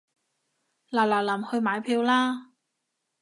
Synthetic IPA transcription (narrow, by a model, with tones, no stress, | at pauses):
laː˨˩wlaː˨˩lɐ˨˩mhɵ˧ɥmaː˨˥jpʰiː˧wlaː˥